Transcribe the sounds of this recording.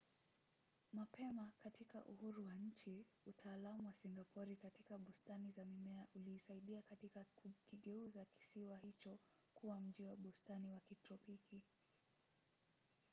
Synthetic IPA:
mapɛmakatika̰ʔuhuɾuwaɲ̩t͡ʃi | utʰaːlamuwasiŋɡapʰɔɾikatikaɓustanizamimɛaʔuliːsaiɗiakatikakiɠɛuzaki̥siwahit͡ʃɔ | kuwam̩ʄiwaɓustaniwakitɾɔpiki

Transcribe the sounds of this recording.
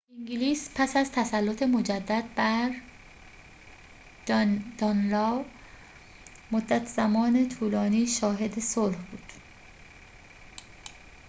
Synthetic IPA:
ʔiŋɡiliːspʰæsæzt̪ʰæsælːot̪ʰemo̞d͡ʒæd̪ːæd̪̚bæɾ | d̪̥ɒnlɒːw | mod̪ːæt̪ʰz̥æmɒːnet̪ʰuːlɒːniːʃɒːɦe̞d̪esolhb̥uːd̪̥

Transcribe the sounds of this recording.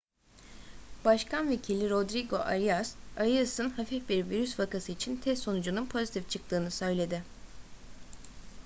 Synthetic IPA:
baʃkʰanve̞cʰilʲiɾo̞d̪ɾiɡo̞ʔaɾijasaɾiasɯnhafifbiɾviɾysvakasɯit͡ʃʰint̪ʰɛst̪sːo̞nud͡ʒununpʰo̞zit̪ʰift͡ʃʰɯk̚t̪ɯːnɯsø̞jlʲe̞d̪ɪ

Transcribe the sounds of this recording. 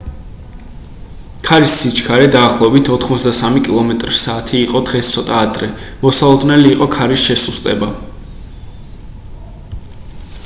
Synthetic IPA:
kʰaɾisːit͡ʃʰkʰaɾɛd̪aːχlˠɔɛbit̪ʰɔt̪ʰχmɔt̪sʰd̪asamikʼilˠɔmɛt̪ʼɾisaːt̪ʰiːqʼɔd̪ʁɛst̪sʰɔt̪ʼaːd̪ɾɛmɔsalˠɔd̪nɛliːqʼɔkʰaɾisʃɛsust̪ʼɛba

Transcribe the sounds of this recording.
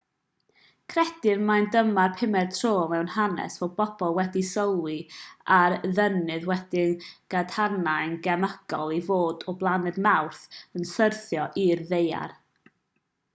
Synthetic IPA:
kʰrɛd̥ɨnmajndəmarpʰɪmɛdtʰroːmɛwnhanɛ̰svɛwbɔb̥ɔlˠwɛdisɔwlˠiarðənɨðwɛd̥ɪnɡ̥ad̥hanaɨnɡɛməɡ̥ɔlˠivoːdɔblˠanɨðmawrθənsərθjɔʔirðeja̰r

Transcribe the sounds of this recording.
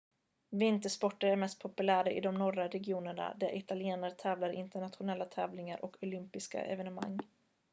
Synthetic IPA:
vɪnt̪əʂpɔʈːəɾæɾmɛst̪̚pʰɔpɵlæːɾaʔɪ̰d̪ɔmnɔɾaɾɛɡɪuːnəɳa̰d̪æɾʔɪt̪alɪeːnəɾt̪ʰɛːvlaɾɪ̰nt̪əɳat̪ɧʊnɛlːat̪ʰɛːvlɪŋaɾʔɔkʰʊlʏmpɪska̰ʔɛ̰vɛnəma̰ŋː

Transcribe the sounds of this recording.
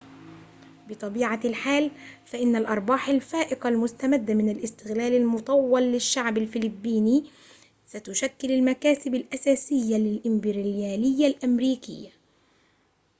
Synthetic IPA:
bɨt̪ˤɑbiːʕalħaːlfaʔɪnːalʔɑɾˤbɑːħalfaːʔɪqalmʊst̪amad̪ːamɪnalʔɪst̪ɪɣlaːlalmʊt̪ˤɑwːɑlːɪʃːaʕbalfɪlɪbːiːni | sat̪ʊʃakːɪlɪlmakaːsɪbalʔasaːsɪjːalɪlʔɪmbɪɾjaːlɪjːalʔamɾiːkɪ̰jːa

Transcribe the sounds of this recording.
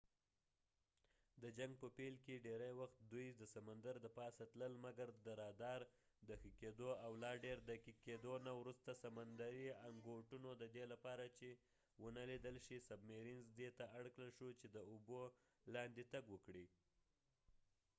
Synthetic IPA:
d̪əd͡ʒaŋɡ̚pəpelkeɖeɾajwaxt̪̚d̪ujd̪əsamand̪aɾd̪əpɑsat̪ləlmaɡaɾd̪əɾɑd̪ɑɾ | d̪əxiked̪oawlɑɖeɾd̪akiked̪onawɾust̪asamand̪aɾiaŋɡoʈunod̪əd̪elapɑɾat͡ʃe | wənalid̪əlʃisab̚meɾinzd̪et̪aʔaɽkləlʃut͡ʃed̪əubo | lɑnd̪it̪aɡwəkɽi

